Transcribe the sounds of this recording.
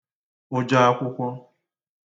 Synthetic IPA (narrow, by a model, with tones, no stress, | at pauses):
o˦d͡ʒa˦a˦kʷʊ˦kʷɔ˦